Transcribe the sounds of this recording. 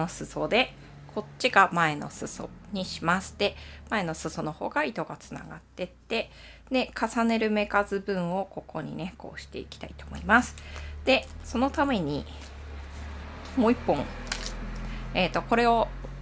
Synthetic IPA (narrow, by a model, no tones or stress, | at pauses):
osɨso̞d̪e̞ | kʰo̞tt͡ɕːiɡamae̞no̞̰sɨso̰ɲ̟iɕimasɨ̥t̪e̞mae̞no̞sɨso̞no̞ho̞̰ːɡait̪o̞ɡat͡sɨ̥na̰ɡa̰t̪ːe̞t̪ːe̞ | d̪e̞kasane̞ɾɯ̟me̞kazɨbɯ̟̃ɰ̃o̞ko̞ko̞ɲ̟ḭne̞ko̞̰ːɕi̥t̪e̞̰ikʲi̥t̪ait̪oːmo̞̰imasɨ̥d̪̥e̞so̞no̞t̪ame̞ɲ̟i | moːipːõ̞ŋ | eːt̪o̞ko̞ɾe̞o̞